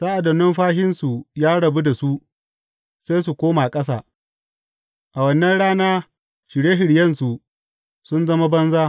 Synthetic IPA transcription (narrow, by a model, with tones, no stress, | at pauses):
saː˦ʔa˨dɐ˨nːɪ˦mɸaː˦ɦɪ˦nsu˨jaː˦ɽɐ˨bu˦da˨su˦ | se˦js̬u˨kʷoː˦maː˨kʼɐ˦s̬a̰ː˨ | ʔa˨wɐ˦nːɐ˦nɽaː˦naː˦ | ʃɪ˨ɽeː˦ɦɪ˨ɽjɐ˦nsu˨ | sʊ˦nzɐ˦ma˦bɐ˦nzaː˦